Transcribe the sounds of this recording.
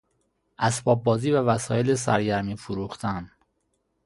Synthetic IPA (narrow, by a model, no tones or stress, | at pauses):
ʔæsbɒːb̚ːɒːziːvævæsɒːjeles̬æ̰ɾɟæɾmiːfoɾuːxt̪ʰæn